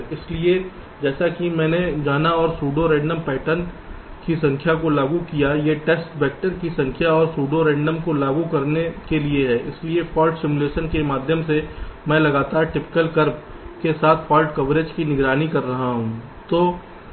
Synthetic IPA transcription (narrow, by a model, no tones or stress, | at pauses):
ɪslie | d͡ʒɛːsakimɛ̃ːned͡ʒaːnaɔːɾsuːɖoɾẽːɳɖəmpɛːʈən | kisɐ̃ŋkʰjakolaːɡukijajeʈeːsʈbɛːk̚ʈəɾkisɐ̃ŋkʰjaɔːɾsuːɖoɾẽːɳɖəmkolaːɡukɐɾnekelieɦɛːʔɪsliepʰɔːlʈsɪmuleːʃənkemaːd̪ʱjəmsemɛ̃ːlɐɡaːt̪aːɾʈɪpɪ̥kəlkɐɾb̚ | kesaːt̪ʰpʰɔːlʈkɐʋɾeːd͡ʒkinɪɡɾaːnikɐɾːɐɦaɦũː | t̪oː